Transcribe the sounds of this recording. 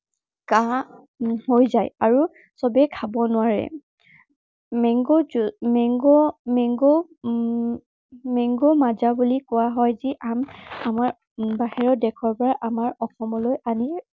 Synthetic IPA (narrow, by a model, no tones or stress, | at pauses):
ka | hojzajaɹu | sɔbɛkʰabɔnʊwaɹɛ̰ | mɛŋɡomɛŋɡɔmɛŋɡo | mɛŋɡomazabulikʊwaɦɔjziʔamamaɹ | baɦɛɹɔdɛkʰɔɹpɔɹaʔamaɹɔxɔmɔlojani